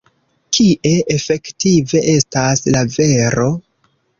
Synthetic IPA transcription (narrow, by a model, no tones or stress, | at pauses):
kʰiʔe̞ʔefe̞ktive̞ʔe̞staslave̞ɾo̞